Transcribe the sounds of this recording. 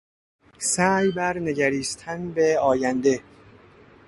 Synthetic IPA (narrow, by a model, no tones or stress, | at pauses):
sæːjbæɾne̞ɟæɾiːst̪ʰænbeɒːjænd̪e